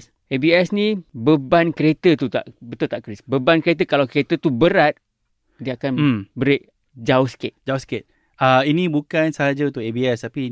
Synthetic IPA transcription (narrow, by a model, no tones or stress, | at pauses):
s | ebiɛsnĩbəbankəɾet̪ət̪ut̪a̰ʔbət̪ʊlt̪aʔkəɾisbəbankəɾet̪̬əkalawkəɾet̪ət̪ubəɾat̪̚ | diakan̩mbəɾeʔ | d͡ʒaosket̪d͡ʒaʊsket̪̚ | əinĩbukansəɦad͡ʒaunt̪ʊkebiɛst̪api